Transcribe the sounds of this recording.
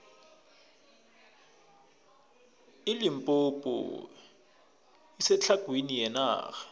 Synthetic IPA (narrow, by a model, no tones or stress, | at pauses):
ɪlɪm̩pʼopʼɔ̰ | isɛt͡ɬʰaɡ̥ʱwinijɛna̰ːxḁ